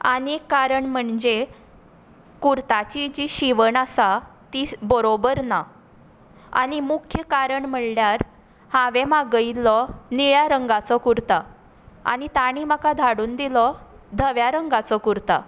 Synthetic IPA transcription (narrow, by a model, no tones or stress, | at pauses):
a̰nekːaɾəɳm̤əɳd͡ʑe | kuɾt̪at͡ɕid͡ʑiɕiʋəɳasat̪ibəɾobəɾna | a̰nimukʰjəkaɾəɳm̤əɭljaɾ | hãʋemaɡəilːɔniɭjaɾəŋɡat͡sɔkuɾt̪a | a̰nit̪aɽ̃iməkad̪ʱaɽuːnd̪ilɔ | d̪ʱəʋjaɾəŋɡat͡sɔkuɾt̪a̰